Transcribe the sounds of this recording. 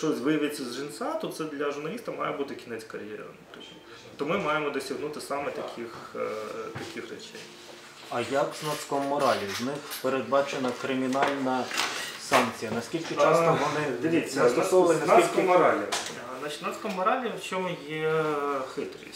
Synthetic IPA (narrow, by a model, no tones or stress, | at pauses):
ʃt͡ʃɔsʲʋɪjɐʋʲet͡sʲːɐzʒinsat̪ɔt̪sɛd̪lʲɐʒʊrnɐlʲist̪ɐmɑjɛbut̪ɪkʲinɛt͡sʲkɐɾʲjɛ̰ɾɐ̰npt̪ɔt͡ʃʲ | t̪ɔmɪmɑjemɔd̪ɔsʲɐɦnut̪ɪsɑmɛt̪ɐkʲʰɪx | t̪ɐkʲɪxrɛ̰t͡ʃɛ̰j | ɐjɐkznɐt̪skɔmmɔɾɑlʲiznɪxpeɾed̪̚bɑt͡ʃenɐkɾɪmʲinɑlʲnɐsɑnk̚t͡sʲijɐnɐsʲkʲilʲkʲɪt͡ʃɑsɐʋɔnɪd̪ʋʲit͡sʲːɐst̪ɔsɔɐnʲɐniskmɔɾɑlʲi | nat͡ʃi̥t̪ʲnat̪skɔmɔɾɑlʲiwt͡ʃʲɔmʊjɛxɪt̪ɾʲḭsʲ